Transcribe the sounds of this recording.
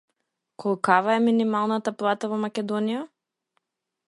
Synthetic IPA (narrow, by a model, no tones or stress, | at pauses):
kɔlˠkavaɛminimalˠnat̪aplˠat̪avɔmakʲɛd̪ɔnija